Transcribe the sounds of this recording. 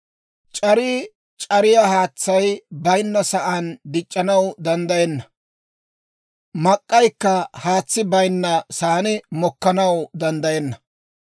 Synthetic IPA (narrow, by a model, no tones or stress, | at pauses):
t͡ʃʼɐɾɪ | t͡ʃʼɐɾɪjahaːt͡sːɐjbɐjnːɐsɐʔand̪ɪt͡ʃʼːɐnɐwd̪ɐnd̪ɐjɛnːɐ | mɐkʼːɐjkːɐhaːt͡sːɪbɐjnːɐsaːnɪmɔkːɐnɐwd̪ɐnd̪ɐjɛnːɐ